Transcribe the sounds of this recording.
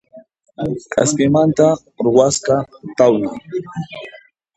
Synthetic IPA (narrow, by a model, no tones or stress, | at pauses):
ka̰skɪmant̪a | ɾʊwasqɑt̪awlɪŋ